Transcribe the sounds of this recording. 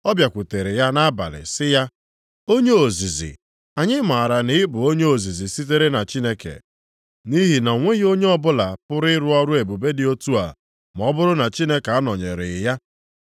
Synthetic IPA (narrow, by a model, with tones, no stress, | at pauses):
ɔ˦bja˨kʷʊ˨te˨ɾe˨ja˦na˦ba̰˨lɪ̰˨sɪ˦ja˦ | o˦ɲe˦o˨zi˨zḭ˨ | a˨ɲɪ˦ma˨a˨ɾa˨nɪ˦ɪ˦bʊ˨o˦ɲe˦o˨zi˨zi˨si˦t̬e˦ɾe˦na˨t͡ʃi˦ne˦kḛ˨ | ni˦ɦi˨na˨ŋʷe˦ɣo˦ɲe˦ɔ˦bʊ˦la˨pʊ˦ɾɪ˦ɪ˦ɾʊ˦ɔ˦ɾʊ˦e˨bu˨be˦dɪ˨o˦tu˦a̰˨ | m˨ɔ˦bʊ˦ɾʊ˦na˨t͡ʃi˦ne˦ka˦nɔ˨ɲe˨ɾɪ̰˨ja˦